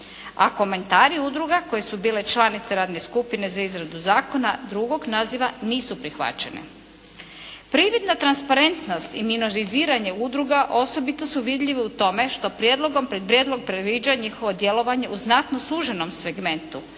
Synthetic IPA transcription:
a̰ko̞me̞nt̪aːɾiud̪ɾuɡako̞jesubiːle̞t͡ʃlˠaːnit̪se̞ɾaːd̪ne̞skupine̞zaizɾad̪uzaːko̞nad̪ɾuɡo̞ɡnaziʋaniːsupɾixʋa̰t͡ɕe̞nḛ | pɾiʋid̪nat̪ɾanspaɾe̞nt̪no̞st̪iminoɾiziːɾaɲe̞ud̪ɾuɡaʔo̞so̞bit̪o̞suʋid̪ʎiʋiut̪o̞me̞ʃt̪o̞pɾjed̪lˠo̞ɡo̞mpɾe̞d̪̚pɾjeːd̪lo̞ɡ̚pɾed̪ʋiːd͡ʑaɲixo̞ʋod̪je̞lo̞ʋaɲe̞ʔuznat̪nosuːʒeno̞mseɡme̞nt̪u

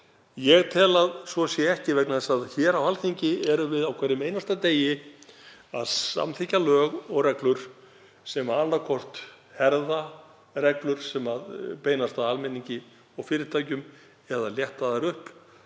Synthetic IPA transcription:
jɛɣt̪ʰɛːlaðsvɔsjɛɛhcɪvɛknaðɛsaðçɛːɾawalθiɲcɪɛɾʏvɪðawkʰvɛɾɪmeːjnast̪at̪eːjɪ | a̰ðsa̰mθicalœːɣɔɣrɛklʏɾ̥ | sɛmaalːakʰɔr̥t̪ | hɛɾða | rɛklʏɾ̥sɛmaðpeːjnast̪aalmɛniɲcɪ | ɔwfɪːɾɪɾt̪ʰaːjcʏm | ɛðaljɛht̪aðaɾʏhp

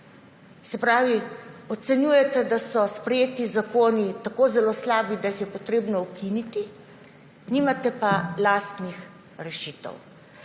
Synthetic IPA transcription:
sɛpɾaːʋiɔt̪sɛnjuːjɛt̪ɛd̪asɔspɾɛjeːt̪izakoːnit̪akoːzɛloːslaːbid̪ajixjɛpɔt̪ɾeːbnɔukinit̪i | nimat̪ɛpalaːst̪nix | ɾɛʃiːt̪ɛ̰w

